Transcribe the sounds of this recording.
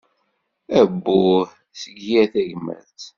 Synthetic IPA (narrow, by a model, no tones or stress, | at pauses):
æbːu | səɡjæθæʝmæ̰t͡s